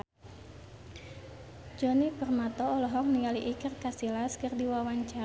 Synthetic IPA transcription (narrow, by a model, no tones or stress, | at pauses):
d͡ʒɔnipərmat̪ɔːlɔɦɔŋniŋaliʔikərkasilaskɨrdiwawaɲt͡ʃa